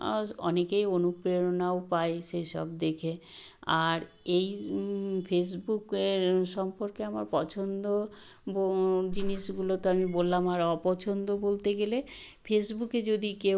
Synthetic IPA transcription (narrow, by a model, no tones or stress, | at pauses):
ɔ̰nekejonupɾeɾonaopaeʃejʃɔ̰b̚d̪ekʰea̰ɾ | ej | fʰes̬bukeɾʃɔmpoɾkeama̰ɾpɔt͡ɕʰond̪obod͡ʑiniʃɡulot̪oamibolːamaɾɔpɔt͡ɕʰond̪obolt̪eɡele | fʰesbuked͡ʑod̪ike